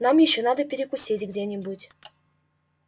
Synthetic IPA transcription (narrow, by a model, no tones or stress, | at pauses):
nɑmjeɕːonɑd̪əpʲɪɾʲɪkusʲetʲɡdʲenʲebutʲ